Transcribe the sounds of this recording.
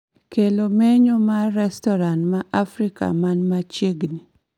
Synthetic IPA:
kelomeɲomaɾɛstɔɾantmaʔafɾika̰manmat͡ʃjeɡni

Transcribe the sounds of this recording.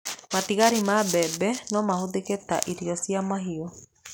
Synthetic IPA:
matiɣaɾimabɛbɛnɔmahoðeketa̰ʔiɾiɔsiamaɦiɔ

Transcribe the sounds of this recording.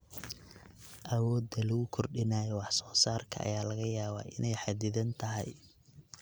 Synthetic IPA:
ʔɐwɔːd̪ɐlɐɣʊkʰɔrɖɪnaːjɛwɑħsɔːsaːrkʰɐ̰ʔɐ̰jaːlɐɣɐjaːβa̰ːʔɪnɛjħɑd̪ɪðɐnt̪ʰɐɦɛ̰j

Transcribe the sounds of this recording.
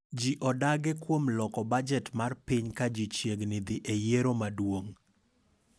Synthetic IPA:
d͡ʒiʔɔdaɡɛkwomlɔkɔbad͡ʒɛtmarpɪɲkad͡ʒit͡ʃjeɡnɪd̪ɪʔejeɾomadwoŋ

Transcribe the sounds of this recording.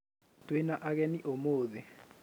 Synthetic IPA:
twenaʔaɣɛniʔomoːðe

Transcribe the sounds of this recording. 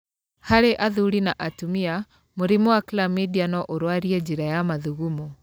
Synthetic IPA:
haɾeʔaðuɾinaʔatumia | moɾimɔwaklamidianɔʔoɾwaɾiɛd͡ʒiɾajamaðuɣumɔ

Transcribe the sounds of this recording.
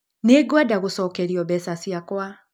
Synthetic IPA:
neɡwadaɣosɔːkɛɾiɔbɛsasiakwa

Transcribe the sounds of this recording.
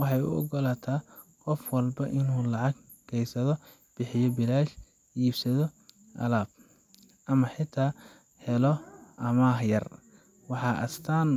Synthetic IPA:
wɑħɑjʊ̰ʔɔ̰ɡɔlaːt̪ʰaː | qɔfwɑlbɐʔɪnuːlɑʕɑɡ̚ | kʰɛjsɐðɔ | b̥ɪħɪjɔbɪlaːʃ | iːbsɐðɔ | ʔɐ̰laːb̥̚ | ʔɐmɐħɪt̪ʰaː | hɛlɔʔɐmaːhjɐr | wɑħɑːʔɐ̰st̪ʰaːn

